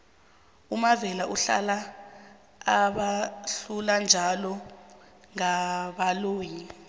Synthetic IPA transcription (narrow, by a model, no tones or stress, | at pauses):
umavɛlaʔuɬa̰laː | ɓaɬuland͡ʒʱalɔ | ŋaɓaloːɲi